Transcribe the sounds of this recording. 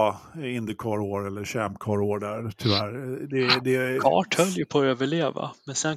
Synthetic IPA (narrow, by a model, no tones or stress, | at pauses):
ɪnd̪əkʰɑːɾoːɾɛlːəɾɕæmkʰɑːɾoːɖæɾt̪ʰʏvæːɾd̪ɛd̪ɛkʰɑ̰ːʈhœljəpʰoːøːvəɭeːva̰mɛnsɛn